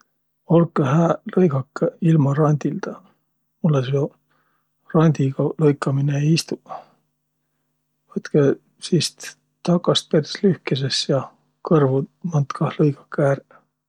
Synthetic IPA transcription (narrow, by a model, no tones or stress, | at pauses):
o̞lkːˑeɦæːlɤjɡɑkːeilmɑɾɑnʲd̪ild̪̥ɑ | mulːeso | rɑnʲd̪̥ʲiɡɑlɤjkːˑɑmineejist̪u | vɤt̪ke | siːst̪ | t̪ɑkːˑɑst̪̚peɾslyhkes̬esjɑ | kɤrvumɑnt̪kʰɑhlɤjɡɑkːˑæɾ